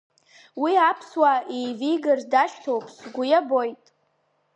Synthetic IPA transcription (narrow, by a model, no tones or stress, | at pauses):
wiapʰswaejvijɡɨrzdaʃᶣtʰowpʼʰsɡʷʊjabo̞jtʼ